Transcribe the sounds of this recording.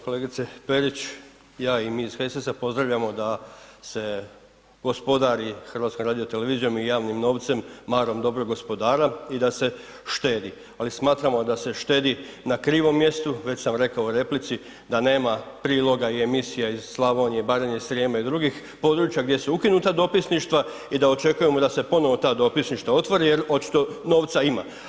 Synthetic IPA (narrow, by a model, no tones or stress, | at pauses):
ko̞leːɡit̪sepe̞ɾit͡ɕ | jaːimiːzxesesapo̞zd̪ɾaʋʎamo̞d̪ase̞ | ɡ̥o̞spo̞d̪aɾixr̩ʋat̪ko̞mɾaːd̪ijot̪e̞le̞ʋiːzijo̞mijaːʋnimno̞ːʋt̪se̞mːaːɾo̞md̪o̞bɾoɡo̞spo̞d̪aːɾaid̪ase̞ | ʃt̪eːd̪i | alismaːt̪ɾamo̞d̪ase̞ʃt̪e̞ːd̪i | nakɾiːʋo̞mje̞st̪uʋe̞t͡ɕsamɾe̞kaouɾe̞plit̪si | d̪ane̞ːmapɾiːlo̞ɡaie̞misijaizslˠaʋoɲeibaɾeɲeisɾeːmaid̪ɾuɡix | po̞d̪ɾuːt͡ʃjaɡd̪je̞suukinut̪ad̪o̞pisniʃt̪ʋa | id̪ao̞t͡ʃe̞kuje̞mo̞d̪ase̞po̞no̞ʋot̪aːd̪o̞pisniʃt̪ʋao̞t̪ʋoɾije̞ɾo̞t͡ʃi̥t̪o̞no̞ːʋt̪saima̰